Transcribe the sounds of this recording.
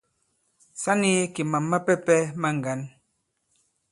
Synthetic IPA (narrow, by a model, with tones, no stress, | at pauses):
sa˦ni˦ki˨ma˨mːa˦pɛ˦pɛ˦ma˦ŋ˨ɡa˨˦n